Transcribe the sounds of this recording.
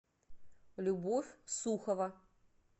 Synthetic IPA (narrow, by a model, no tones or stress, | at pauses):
lʲubofʲsuxɐvɐ